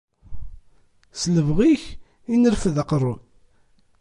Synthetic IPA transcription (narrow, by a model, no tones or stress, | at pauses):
sləvʁiç | inəɾfəðaqrˤːun